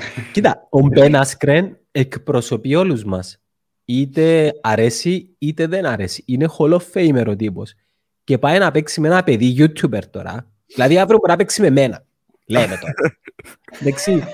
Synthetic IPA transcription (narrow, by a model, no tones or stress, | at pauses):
cit̪aombenɐskɾen | ekpɾo̞so̞pio̞luzmɐs | it̪eɐɾe̞si | it̪eðenɐɾe̞si̥inexolofejmeɾot̪̬ipo̞̰s | ce̞pajnɐpeksimenɐpe̞ðiʝut̪ʰːubeɾt̪o̞̰ɾɐ̰ | ðilɐðiɐvɾopuɾɐpeksime̞menɐ | lenet̪oɾ | d̪eksi